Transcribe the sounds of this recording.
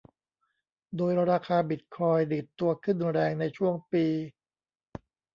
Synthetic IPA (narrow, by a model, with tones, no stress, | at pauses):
doː˧jɾaː˧kʰaː˧bi˨˩t̪̚kʰɔː˧jdi˨˩t̪ːu˧ɐkʰɯ˥˩nɾɛː˧ŋna˧jt͡ɕʰu˥˩əŋpiː˧